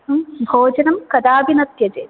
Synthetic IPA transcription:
bʱoːd͡ʑɐnɐmkɐd̪aːʋinɐt̪jɐt͡ɕeː

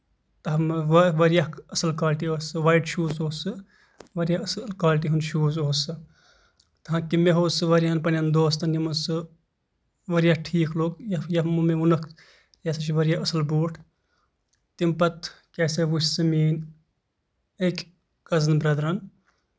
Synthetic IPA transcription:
t̪ɐɦmʋɐʋɐɾijaɦɐsɐlkaːlʈioːsɨʋaːjʈʃuːzoːsɨ | ʋɐɾjaɐslkaːlʈ̬iɦunʃuːzoːsɨ | t̪ɐɦãkimeɦoːsɨʋɐɾijaːnpɐnjɐnd̪oːst̪ɐnjɐmɐnsɨ | ʋɐɾijahʈʰiːkʰloːɡjɐjɐɦmɨmeʋunɐkʰ | keːsɐt͡ʃʰiʋɐɾʲjaɐsɨlbuːʈʰ | t̪impɐt̪ | keːseʋut͡ʃʲsɨmiːn | ekʲ | kɐznbɾɐd̪ɾɐn

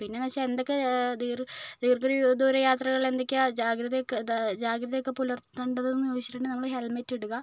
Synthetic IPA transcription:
pinːe̞nɐɕɐend̪okʲːed̪iːrd̪iːrkɐɾid̪uːɾɐjaːt̪rɐɣɐɭe̞nd̪okʲːd͡ʑaːɡɾɐðɐjokːed͡ʑaːɡɾɐðɐjokːe̞pulɐrt̪ːuɳɖɐðenːut͡ɕːiʈːuɳɖɨnɐmːɐɭɦelmetːeɽuɣɐ

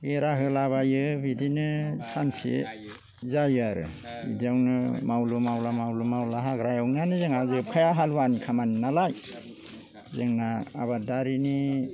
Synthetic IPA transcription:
ɡeɾaɦɯlaβajɯbidinɯsansḭ | zajaɾɯ̰ | bḭdiawnɯmawlumawlamawlumawlaɦaɡɾajawnanɯzɯŋazɯpʰajaɦalwanikʰamaninalaj | zɯŋna̰ːbadaɾini

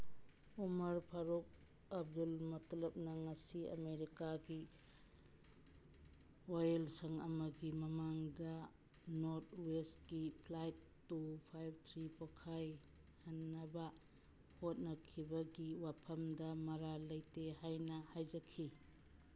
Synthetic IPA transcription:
umɐɾpʰaɾok̚ | ɐb̚dulmɐtlɐp̚nɐŋɐsiɐ̰meɾikaɡi | ojelsɐŋɐmɐɡimɐmaŋdɐ | noɾt̚wesɡipʰlajtːupʰajb̚t̪ʰɾipokʰaj | hɐnːɐbɐ | hot̚nɐkʰibɐɡiwapʰɐmdɐmɐɾalɐjteɦajnɐhajd͡ʒɐkʰːi

